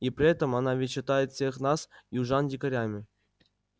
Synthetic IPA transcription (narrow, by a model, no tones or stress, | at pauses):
ipɾʲɪɛt̪əmanavʲɪt͡ɕɪt̪ajɪt̪fʲsʲexnasjuʐɑndʲɪkəɾʲamʲɪ